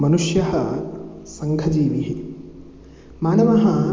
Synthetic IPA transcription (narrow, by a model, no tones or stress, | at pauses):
mɐnuʂjɐɦɐ | sɐŋɡʱɐd͡ʒiːʋiɦi | maːnɐʋɐɦɐ